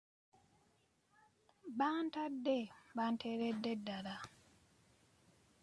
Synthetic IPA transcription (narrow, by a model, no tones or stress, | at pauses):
baːntadːe̞baːntʰe̞ːɾedːe̞dːala